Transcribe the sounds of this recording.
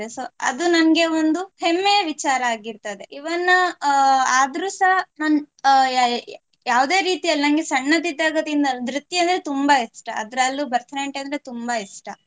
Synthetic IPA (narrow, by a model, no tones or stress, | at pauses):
esoːɐ̰d̪unɐnɐɡe̞ond̪uhemːejɐʋit͡ʃaːɾɐaːɡiɾt̪ɐd̪eʔiʋɐnːɐ | aːd̪ɾuːsɐɦɐnɐn | jaːʋd̪e̞ːɾiːt̪ijɐlːinɐnɡesɐɳːɐt̪id̪jaːɡɐt̪iind̪ɐd̪ɾit̪ːjiɐnd̪ɾet̪umbɐisʈɐʔɐd̪ɐɾɐlːubɐɾt̪ʰɐɾeɳʈend̪ɾet̪umbɐiʂʈɐ